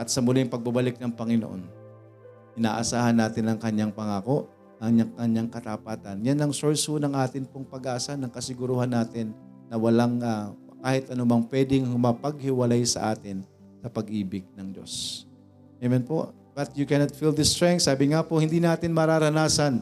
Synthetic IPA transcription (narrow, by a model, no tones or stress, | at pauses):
ʔɐt̪̚sɐmʊlɪŋpɐɡ̚bɐbɐlɪk̚nɐŋpɐŋɪno̰ʔo̰n | ʔɪna̰ːʔɐsaːhɐnːaːt̪ɪnɐŋkɐɲːaŋpɐŋaːko̞ʔ | ʔɐŋɲakɐɲːaŋkɐt̪apaːt̪ɐnjanɐŋsoɹshonɐŋʔaːt̪ɪnpoŋpɐɡaːsanɐŋkɐsɪɡʊɾuhanːaːt̪ɪnː | ɐwɐlaŋa | kaːhɪt̪ʔɐnʊmɐŋpwɛːd̪ɪŋhʊmɐpɐɡ̚hɪwɐlajsɐ̰ʔaːt̪ɪn | sɐpɐɡʔiːbɪɡ̚nɐŋd͡ʒo̞̰s | mɛmɛnpoʔ | b̥ɐt̪jʊkɛnɐt̪̚fild̪ɪst̪ɹɛŋk̪saːbɪŋapohɪnd̪iːnaːt̪ɪnmɐɾaːɾɐnaːsɐn